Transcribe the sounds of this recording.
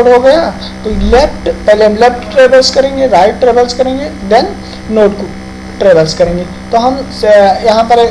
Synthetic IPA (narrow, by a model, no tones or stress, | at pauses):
ɽɦoɡɐja | t̪olefʈpɛɦleɦmlefʈːɾeʋəlskəɾẽŋɡeɾaɪʈʈɾeʋəlskəɾẽŋɡed̪ɛnː | oʈku | ʈɾeʋəlskɐɾẽŋɡe | t̪oɦɐm | jɐɦãpəɾ